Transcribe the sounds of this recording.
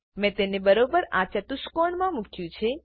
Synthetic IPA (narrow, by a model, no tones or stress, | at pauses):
mɛ̃t̪enebəɾobəɾa̰t͡ʃət̪uʃkoɳmãmukʰjũt͡ʃʰe